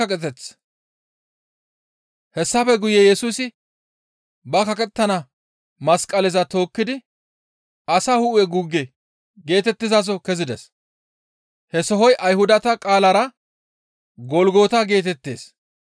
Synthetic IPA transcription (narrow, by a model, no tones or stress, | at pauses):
ɐkʼɛt̪ɛt͡s | hɛsːɐfɛɡʊjɛjɛsusɪ | bɐkɐkʼɛt̪ːɐnɐ | mɐskʼːɐlɛzɐt̪o̞ːkːɪd̪ɪ | ɐsɐhʊʔʊɛɡʊɡːɛ | ɡe̞ːt̪ɛt̪ːɪzas̬ɔkɛzɪd̪ɛs | hɛsɔɦɔjʔɐjhʊd̪ɐt̪ɐkʼaːlɐɾɐ | ɡɔlɡo̞ːt̪ɐɡe̞ːt̪ɛt̪ːe̞̰ːs